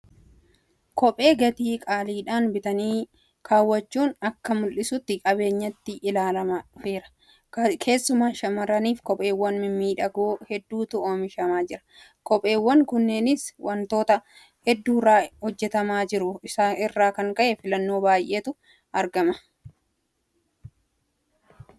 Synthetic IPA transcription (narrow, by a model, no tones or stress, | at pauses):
kɔpʼe̞ːɡɐt̪iːkʼaːliːᶑaːnbɪt̪ɐniː | kʰaːwːɐt͡ʃːuːnɐkːɐmʊlʔɪsʊt̪ːɪkʼɐbe̞ːɲːɐt̪ːɪʔɪlaːlɐmɐfe̞ːɾɐ̥ | kʰe̞ːsːʊmaːʃɐmɐɾɐniːfkɔpʼe̞ːwːɐnmɪmːiːᶑɐɡoːhɛd̪ːuːt̪ʊʔoːmɪʃɐmaːd͡ʒɪɾɐ̥ | kɔpʼe̞ːwːɐŋkʊnːeːnɪswɐnt̪o̞ːt̪ɐ | hɛd̪ːuːraːhɔd͡ʒːɛt̪ɐmaːd͡ʒɪɾʊɪsaɪrːaːkɐŋkɐʔɛfɪlɐnːo̞ːbaːjʔe̞ːt̪ʊ | ɐɾɡɐmɐ̥